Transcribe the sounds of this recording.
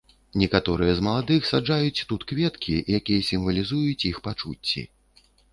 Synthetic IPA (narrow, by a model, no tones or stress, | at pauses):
nʲɛkat̪ɔɾɨjɛzmɐlˠad̪ɨxsad͡ʐajut͡sʲt̪ut̪kvʲɛt̪kʲʰijakʲijɐsʲimvɐlʲizujut͡sʲjixpat͡ʂṵt͡sʲːḭ